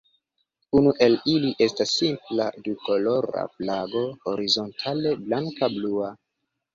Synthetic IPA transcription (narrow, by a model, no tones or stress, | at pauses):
unuʔe̞liliʔe̞stasːimpla̰duko̞lo̞ɾa̰flaɡo̞oɾizo̞ntʰale̞blaŋkablua